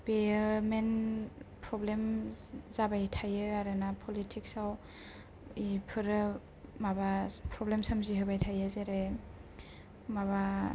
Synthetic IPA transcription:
pemenpʰɾɔblemz̥abajtʰajɯaɾɯnapʰɔlitʰiksaw | ipʰɯɾɯ | mabapʰɾɔblemsamziɦɯbajtʰajɯzeɾe | maba

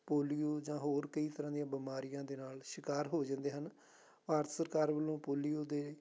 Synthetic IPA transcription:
poːlijoːd͡ʒãːɦoːɾkəiːt̪əɾãːd̪ijãːbɪmaːɾijãːd̪eːnaːlʃɪkaːɾɦoːd͡ʒãnd̪eːɦən | paːɾt̪ʰsəɾkaːɾbəlːõːpoːlijoːd̪eː

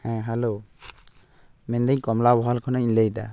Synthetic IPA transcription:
hɛ̃ɦalo | mɛnd̪əɲkɔmlabɔɦalkʰɔnaɲiɲləjd̪a̰

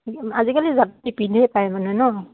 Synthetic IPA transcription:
azikalizap̚tipidʱɛpajmanɛnɔ

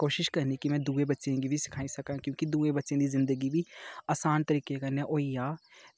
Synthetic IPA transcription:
koːʃɪʃkɐɾnikimɛ̃ːd̪uːebɐtːʃẽɡibʱisɪ̥kʰaːisɐkãkjõːkid̪uːẽbɐtːʃẽd̪izɪ̃nd̪əɡibʱiaːsaːnt̪əɾiːkekɐnẽʔoːijaː

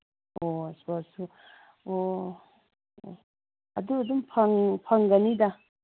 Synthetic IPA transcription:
osbasu | o | ɐ̰duɐdumpʰaŋpʰaŋɡɐnida

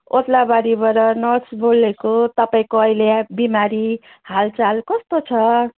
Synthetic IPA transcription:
ot̪labaɾibʌɾʌnʌsbolekot̪ʌpaĩkoʌjljabimaɾi | halt͡salkʌst̪ot͡sʰʌ

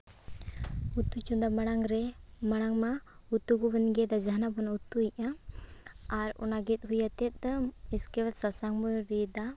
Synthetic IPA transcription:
ut̪ːut͡ʃund̪amaɽ̃aŋɾɛ | maɽ̃aŋma | ut̪ːuɡubənɡɛd̪ad͡ʒaɦnabɔnut̪ːuiʔa | aɾɔ̰naɡɛt̪̚ˀɦujat̪ɛt̪̚ˀiskɛwat̪sasaŋbɔnɾid̪a

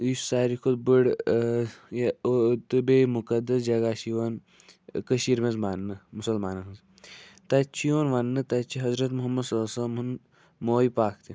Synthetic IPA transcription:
issaːɾikʰod̪bɨɽ | t̪ɨbemukɐd̪ɐsd͡ʒɐɡaːʃiʋɐn | kəʃiːɾmezmanːɨmusɐlmaːnɐɦɨz | t̪ɐt͡ʃʰioːnʋɐnːɨt̪ɐt͡ʃʰiɦɐzɾɐt̪muɦɐmːɐsɐːsɐmun | moːipaːkt̪i

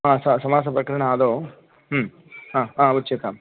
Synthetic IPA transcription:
aːsɐsɐmaːs̬ɐpɾɐkɐɾɐɳɐaːd̪oː | ãːãːutːt͡ʃet̪am

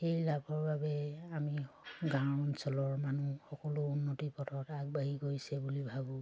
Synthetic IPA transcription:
xejlabʰʱɔɹbabɛamiɡãwɔnsɔlɔɹmanuxɔkɔlʊunːotipɔtʰɔtaɡ̚baɦiɡojsɛbulibʱabɔ̃

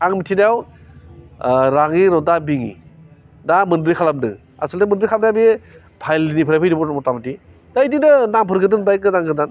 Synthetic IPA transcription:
aŋmitʰinajaw | ɾaŋiɾɔdabiŋḭ | damɯndbɾijkʰalap̚nɯ̰ | a̰sɯldamɯnbɾijkʰalap̚najabi | pʰajlinipʰɯɾajpʰɯjdibɔmɔtabdi | daidinɯnampʰɯɾɡɯndɯnbajkɯzaŋɡɯdan

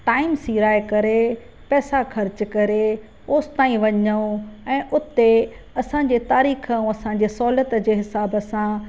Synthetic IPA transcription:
ʈaːɪmsiːɾaːekɐɾe | pɛːsaxɐɾd͡ʑkɐɾe | oːst̪aːĩʋɐɲəõɛ̃ːʔʊt̪e | ɐsãːɲ̆d͡ʑeːt̪aːɾiːxə̃ɐsãɲ̆d͡ʑeːsɔːlət̪d͡ʑeːɦɪsaːbə̆sã

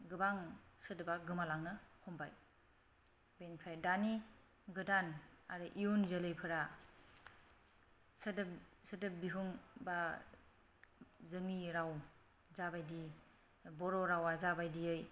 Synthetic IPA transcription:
ɡɯbaŋsɯdɯbaɡɯmalaŋnɯkʰɔmbaj | benpʰɾajdani | ɡɯdana̰ɾɯʔijonzelɯjpʰɯɾa | sdsɯdɯbiɦuŋba | zɯŋiɾaw | zabajdi | bɔɾɔɾawazabajdiɯj

